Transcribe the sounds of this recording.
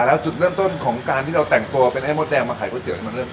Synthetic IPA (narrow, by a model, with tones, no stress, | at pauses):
lɛː˦˥wt͡ɕu˨˩t̪̚ɾɯː˥˩əmt̪o˥˩nkʰɔː˩˦ŋkaː˧nt̪ʰiː˥˩ɾa˧wt̪ɛ˨˩ŋt̪u˧ɐpe˧nʔa˥˩jmo˦˥t̪̚ɛː˧ŋmaː˧kʰa˨˩˦jkɔː˥˩t͡ɕi˨˩˦ka˧˩ma˧ɾɤː˥˩˨